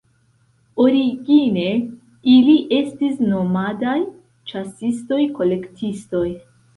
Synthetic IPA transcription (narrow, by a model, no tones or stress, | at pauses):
o̞ɾiɡine̞ | iliʔe̞stisno̞madaj | t͡ʃasisto̞jko̞le̞ktʰisto̞j